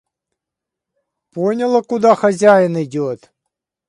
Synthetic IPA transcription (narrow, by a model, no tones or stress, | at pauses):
ponʲəlˠəkʊd̪axɐzʲæjɪnɪdʲot̪